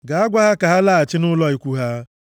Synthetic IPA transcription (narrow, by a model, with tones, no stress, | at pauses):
ɡa˨a˦ɡʷa˦ɦa˦ka˨ɦa˦la˦a˨t͡ʃɪ˦nʊ˦lɔ˦i˨kʷu˦ɦa˦